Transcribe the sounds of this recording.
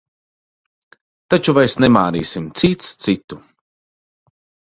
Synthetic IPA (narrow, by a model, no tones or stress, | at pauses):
t̪at͡ʃuvajsnɛmaːniːsimt̪sit̪st̪sit̪u